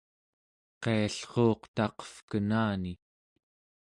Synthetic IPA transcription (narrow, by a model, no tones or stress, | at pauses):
qeaɬχo̞ːqt̪ɑqʌ̥fkənaːni